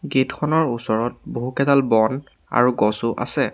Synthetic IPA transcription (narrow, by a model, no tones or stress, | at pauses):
ɡetkʰɔnɔɹusɔɹɔt̚boɦukɛdalbɔn | a̰ɹuɡɔsʊʔa̰sɛ